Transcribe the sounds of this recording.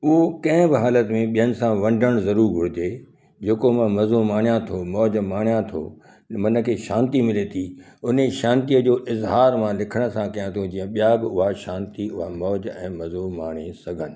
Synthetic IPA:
ʊɦokɐ̃ɦɪ̃bɪɦaːlət̪mẽɓijənɪ̆sãʋɐ̃ɳɖʱəɽ̃zɐɾuːɾɡʱʊɽ̤ɪt̪eː | d͡ʑeːkomɐ̃mɐzomaːɳ̤̃ijãt̪ʰomɔːd͡ʑmaːɳ̤̃jãt̪ʰo̰ː | mɐnə̆kʰeːʃãːnt̪imɪlet̪ʰiʊneʃãːnt̪ijəd͡ʑoːʔɪzɦaːɾmãlɪkʰəɽ̃ə̆sãkɐjãt̪ʰõd͡ʑĩːə̃ɓijaːɡʊɦaʃãːnt̪iʊɦamɔːd͡ʑɛ̃ːmɐzomaːɽ̃esɐɡʱənɪ̆

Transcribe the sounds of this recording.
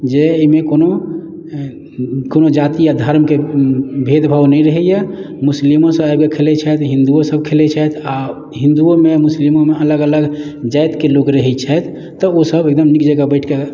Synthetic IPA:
d͡ʒemekono | konod͡ʒat̪ijad̪ʱəɾmkebʱed̪bʱawnɛɾəɦɛjɛ | muslimosəabɡekʰelɛt͡ʃʰɛt̪ʰɦĩnd̪uosəb̚kʰelɛt͡ʃʰɛt̪ʰa | ɦĩnd̪uomemuslimomeələɡələɡd͡ʒajt̪kelokɾəɦɛt͡ʃʰɛt̪ʰː | ɔosəbek̚d̪əmnikd͡ʒəɡabəɪʈʰke

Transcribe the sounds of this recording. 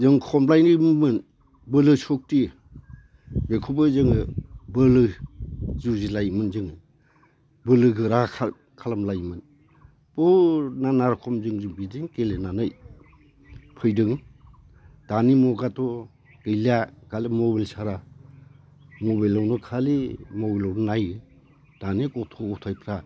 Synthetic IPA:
zɯŋkʰɔmlajnɯjmɯn | bɯlɯsɔk̚ti | bekʰubɯzɯŋɯbɯlɯ | zuzilajmɯnzɯŋ | bɯlɯɡɯɾa | kʰalamlajmɯn | b̥ɔnanaɾkʰɔmzɯŋzɯŋbidiŋkelenanɯj | pʰɯjdɯŋ | d̥animɔɡatɔ | ɡ̥ɯjlakalimɔbalsaɾa | mɔbalawnɔkʰalimɔbilɔwnɔnajɯ | d̥anikɔtʰɔɔtʰajpʰɾa

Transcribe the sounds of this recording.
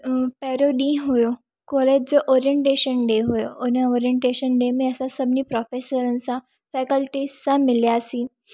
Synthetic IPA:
pɛːɾoɗiɦʊjo | kɔːleːd͡ʑd͡ʑoʔɔːɾijə̃ɳʈeːʃənɖeɦʊjo̰ʊnəoːɾiə̃ɳʈeːʃənɖeːmẽɐsãsɐbʱnipɾɔːfeːsəɾən̆sã | fɛːkəlʈisãmɪljasiː

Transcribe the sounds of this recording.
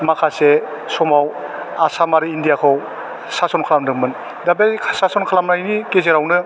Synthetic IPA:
makʰase | sɔmaw | asamaɾɯindijakʰɯw | sasɔnkʰalamdɯŋmɯn | dabejkʰsasɔnkʰalamnajnikezeɾawnɯ

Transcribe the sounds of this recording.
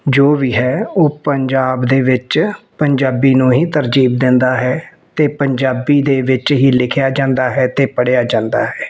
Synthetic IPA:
d͡ʒoːʋiːɦɛːoːpəɲd͡ʒaːbd̪eːʋɪt͡ʃpəɲd͡ʒaːbiːnũːɦiːt̪əɾd͡ʒiːb̚d̪ɪ̃nd̪aːɦɛː | t̪eːpəɲd͡ʒaːbiːd̪eːʋɪt͡ʃɦiːlɪkʰjaːd͡ʒãːnd̪aːɦɛːt̪eːpəɽejaːd͡ʒãːnd̪aːɦɛː

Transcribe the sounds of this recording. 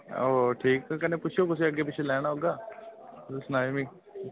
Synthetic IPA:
oːʈʰiːkkɛnẽːpʊt͡ʃʰjoːkʊs̬iːəɡːeːp̬ɪt͡ʃʰeːlɛːɽ̃aːɦoːɡaː | snaːmĩː

